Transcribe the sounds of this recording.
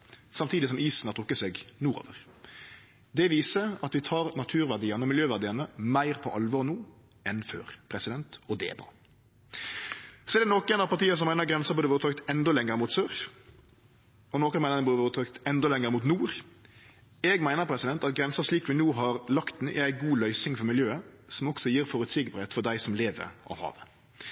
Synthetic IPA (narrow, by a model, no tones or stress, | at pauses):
sɑmt̪ʰiːd̪ɪsɔmiːsn̩hɑʁt̪ʰʁʊkːəsɛɡnuːɾo̰ːʋəʁ | d̪ɛʋiːsəɑt̪ʋɪt̪ʰɑːʁnɑt̪ʰʉːʁʋæʁd̪iːɑnəɔmɪljøːʋæʁd̪iːɑnəmæɪʁpʰɔʔɑlʋɔʁnuː | ɛnfø̰ːʁpʰɾɛsɪd̪ɛnt̪ɔd̪ɛɛ̰bʁɑ̰ː | sɔɛɾd̪ɛnoːkɛnɑpɑʁt̪ʰiːəs̬ɔmæɪnəʁɡɾɛnsəbʉːd̪əʋoːɾt̪ʰøk̚t̪ɛnd̪ɔlɛŋːəɾmuːt̪søːʁ | ɔnoːkənmæɪnnəbʉːd̪ʋːt̪ʰɑkt̪ɛnd̪ɔlɛŋːəɾmuːt̪nuːɾ | ɛɡmæɪnəpʰɾɛsɪd̪ɛnt̪ɑt̪̚ɡʁɛnsəʂliːkʋɪnuːɦɑʁlɑkt̪n̩ʔɛ̰æɪɡuːlœʏsɪŋfɔʁmɪljøːəsɔmɔksɔjiːɾfɔʁʉt̪sɪɡpɾhet̪fɔʁd̪æɪsɔmleːʋə̰ɾʔɑ̰ʋhɑ̰ːʋə